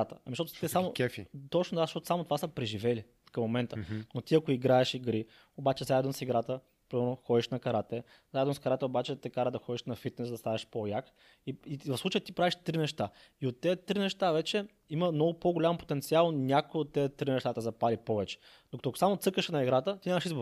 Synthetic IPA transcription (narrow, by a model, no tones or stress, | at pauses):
t̪əɐmzʃt̪ɔt̪t̪ɛsaoɛfḭt̪ɔt͡ʃnod̪azəʃtɔt̪osamot̪ovasəpɾɛʒivɛli | kɐmːomɛnt̪ənot̪iɐkoiɡɾaɛʃiɡɾi | obat͡ʃɛzaɛd̪nosiɡɾat̪ə | pɾimɛɾnoxɔd̪iʃnɐkɐɾat̪ɛ | zaɛd̪noskɐɾat̪ɛobat͡ʃɛt̪ɛkaɾəd̪ɐxɔd̪iʃnɐfit̪̚nɛszd̪ɐst̪anɛʃpojak | iivɐfslˠut͡ʃəjət̪ipɾaviʃt̪ɾinɛʃt̪a | iot̪ːɛt̪ɾinɛʃt̪avɛt͡ʃɛ | iməmnɔɡʊpoɡolʲampo̥t̪ɛnt̪sialˠnʲakojot̪ːɛt̪ːɾinɛʃt̪at̪əzɐpalipɔvɛt͡ʃɛ̥ | d̪okət̪oɐko̥samot̪sɤkəʃnɐiɡɾat̪ət̪iɲʲamɐʃizboɾ